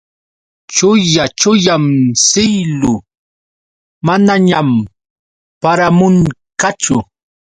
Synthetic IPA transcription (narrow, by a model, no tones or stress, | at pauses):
t͡ʃʊjat͡ʃʊjamsɪjlʊ | manaɲam | paɾamʊŋkat͡ʃʊ